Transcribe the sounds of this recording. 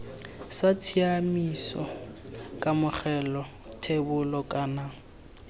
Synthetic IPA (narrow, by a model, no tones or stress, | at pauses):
sat͡sʰiamisɔ̰ | kʼamʊχɛlɔ | tʰebʊlɔkʼana